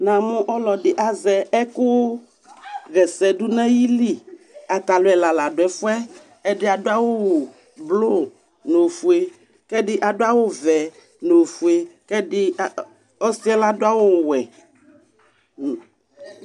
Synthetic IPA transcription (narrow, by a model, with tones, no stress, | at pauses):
nã˨mõ˦ʔɔ˦lɔ˨ɖɪ˨ʔa˦zɛ˨ɛ˦ko˦ | ɣɛ˨sɛ˨ɖu˦nɛ̃˦ji˦li˦ | a˨t̪a˨lo˦ɛ˨la˨la˨ɖo˨ɛ˨fu˦ɛ˦ | ɛ˦ɖɪ˦a˨do˦a˦wo˦wo˨ | blo˦˨ | no˨fu˨e˦ | kɛ˦ɖɪ˦ʔa˨ɖo˦a˦wo˦vɛ˨ | no˨fu˨e˦kɛ˦ɖɪ˦˨ | ɔ˦si˦ɛ˦la˦do˦a˦wo˦wwɛ˨